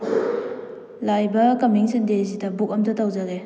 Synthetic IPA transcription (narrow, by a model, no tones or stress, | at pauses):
lajbɐkɐmiŋsendezidɐbuk̚ɐmdɐtɐwd͡ʒaɾe